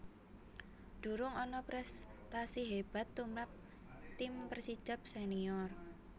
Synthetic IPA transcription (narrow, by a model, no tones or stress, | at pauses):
ɖ̪̥ṳɾʊŋɔnɔpɾɛst̪asiɦeb̥a̤t̪ːumɾap̚ | t̪ɪmpərsi̥d͡ʒəp̚seniɔr